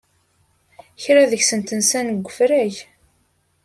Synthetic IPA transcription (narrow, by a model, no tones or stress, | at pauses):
çɾæðəçsənt̪ənsænəɡʷːəfɾæʝ